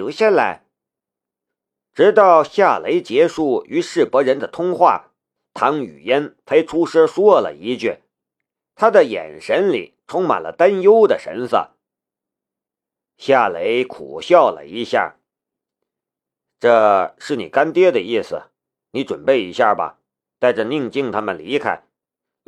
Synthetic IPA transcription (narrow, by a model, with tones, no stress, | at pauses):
o˨˩ɕjɛ˥˩nla˧˥ɪ | ʈ͡ʂɻ̩˧˥t̪ɑ˥˩˧ʊɕja˥˩le˧˥ɪt͡ɕjɛ˧˥ʂu˥˩y˧˥ʂɻ̩˥˩pɤ˧˥ɻə˧˥nd̪ə˨t̪ʰʊ˥ŋxwa̰˥˩ | t̪ʰɑ˧˥ŋy̰˨˩jɛ˥npʰe˥ɪʈ͡ʂʰu˥ʂɤ˥ʂwɔ˥˩lə̰˨˩i˧˥t͡ɕɛ˥˩ | t̪ʰa˥d̪ə˨jɛ̰˨˩nʂə˧˥nlḭ˨˩ʈ͡ʂʰʊ˥ŋma̰˨˩nlə̰˦t̪a˥njo˥ʊd̪ə˨ʂə̰˧˥nsɤ̰˥˩ | ɕja˥˩le˧˥ɪkʰṵ˨˩ɕjɑ˥˩ʊlə̰˩i˧˥ɕja̰˥˩ | ʈ͡ʂɤ˥˧ʂɻ̩˥˩ni˨˩ka˥nt̪jɛ˥d̪ə˨i˥˩sɹ̩˩ | ni˧˥ʈ͡ʂwə̰˨˩npe˥˩ɪḭ˧˥ɕja˥˩bɐ̰˩ | t̪a˥˧ɪʈ͡ʂə˥˧ni˥˧ŋt͡ɕi˥˩ŋt̪ʰa˥mə˨nli˧˥kʰa̰˥ɪ